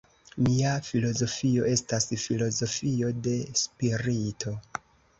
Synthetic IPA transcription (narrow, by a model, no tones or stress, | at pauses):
miafilo̞zo̞fio̞ʔe̞stasfilo̞zo̞fio̞de̞spiɾitʰo̞